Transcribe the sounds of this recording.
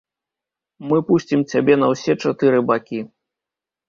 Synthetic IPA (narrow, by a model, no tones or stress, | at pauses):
mɨpusʲt͡sʲimt͡sʲabʲɛn̪ɐwsʲɛt͡ʂat̪ɨɾɨbakʲi